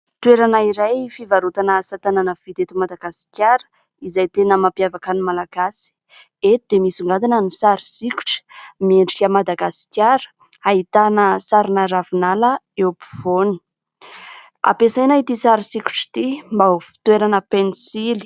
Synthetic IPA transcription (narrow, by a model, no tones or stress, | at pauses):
t̪uweɾanaiɾajfivaɾut̪anəsat̪ananəv̥it̪et̪umad̪aɡasi̥kʲaɾə̥ | izajt̪enəmampjavakanimalaɡasi̥ | et̪ud̪emisuŋɡad̪inənisaɾisiku̥ʈ͡ʂə̥mieɳɖ͡ʐikʲəmad̪aɡasi̥kʲaɾə̥ | ait̪anəsaɾinaɾavinalə | epi̥voni̥ | a̰pesajnait̪isaɾisiku̥ʈ͡ʂi̥t̪imbaufi̥t̪weɾanəpenisili̥